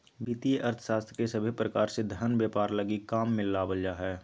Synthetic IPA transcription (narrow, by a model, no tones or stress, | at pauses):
biːt̪ieʔəɾt̪ʰə̥ʃaːst̪ʰəkesəbʱipɾəkaːɾsed̪ʱəɾənbjeːpaːɾləɡikaːmːɪlːabəld͡ʒaɦɛː